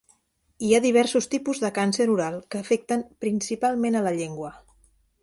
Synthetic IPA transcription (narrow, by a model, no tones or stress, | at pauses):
iaðiβ̞ɛɾsust̪ipuzðəkansəɾuɾalˠkəːfɛk̚t̪əmpɾinsipalˠmenələʎeŋɡwə